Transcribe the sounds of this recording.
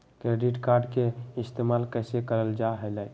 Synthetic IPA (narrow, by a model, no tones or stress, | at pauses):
kɾeɖiʈkaɾɖkeist̪emalkəjsekəɾəld͡ʒaɦelɛj